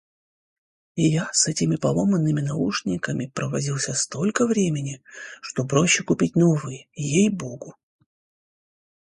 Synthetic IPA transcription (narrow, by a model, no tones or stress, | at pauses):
ɪjasɛtʲɪmʲɪpɐlˠo̞mənːɨmʲɪnɐuʂnʲɪkəmʲɪpɾəvɐdʲilˠsʲəst̪o̞lʲkəvɾʲemʲɪnʲɪʂt̪o̞pɾo̞ɕːɪkʊpʲit̚ʲnovɨjəjejbo̞ɡʊ